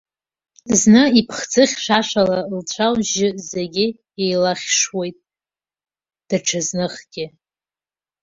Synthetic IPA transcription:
znɨipʰχd͡zɨχʲʂaʂalalt͡ɕʷʰawʒɪzeɡʲɪ | ejlaχʲʂwe̞jtʼ | d̥aʈ͡ʂʰaznɨχɡʲɪ

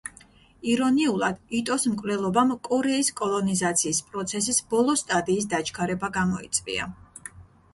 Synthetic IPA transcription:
iɾɔniulˠad̪̥it̪ʼɔsmkʼvlɛlˠɔbamkʼɔɾɛiskʼɔlˠɔnizat̪sʰiːspʼɾɔt̪sʰɛsisbɔlˠɔst̪ʼad̪ʼiːs̬d̪at͡ʃʰkʰaɾɛbaɡamɔit̪sʼvḭa̰

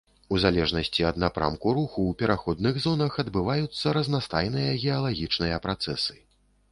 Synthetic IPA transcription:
uzalʲɛʐnɐsʲt͡sʲiɐd̪napɾʔa̰mkuɾuxuːpʲɛɾaxɔd̪nɨɣzɔnɐxɐd̪bɨvajut̪sːɐɾɐznast̪ajn̪ɨjɐɣʲɛɐlˠaɣʲit͡ʂnɨjɐpɾat̪sɛ̰sɨ̥

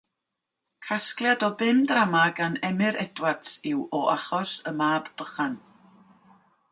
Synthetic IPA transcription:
kʰasklˠjadɔbɪmdramaɡanɛmɨɾɛdwartsɪwɔʔaχɔsəmaːbb̥əχan

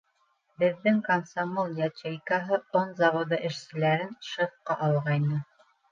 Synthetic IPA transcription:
bɘ̆ðːɘŋkɐnsamolˠjɑt͡ɕejkɑɦɤonzɑβod̪ɑʔɘ̆ʃsɘ̆læɾɘnʃɤ̆fqɑʔɑlˠʁɑjnɤ

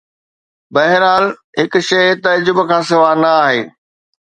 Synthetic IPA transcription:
bɐɦɪɾaːl | ɦɪkʊ̆ʃɐɪt̪ɐd͡ʑʊbkʰãːsɪʋanɐaːɦeː

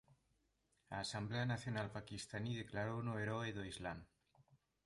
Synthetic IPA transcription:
a̰ːsambleanaθjonalpakist̪aniðeklaɾownoeɾoeðoizlam

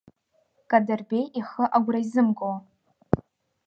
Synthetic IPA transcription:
kʼadɨrbʲejʔiχəʔaɡʷrajzɨmɡow

